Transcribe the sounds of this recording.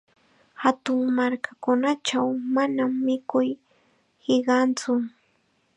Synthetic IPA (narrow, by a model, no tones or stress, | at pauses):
hat̪ʊŋmaɾkakʊnat͡ʃawmanamːɪkʊj | hɪɢɑnt͡sʊ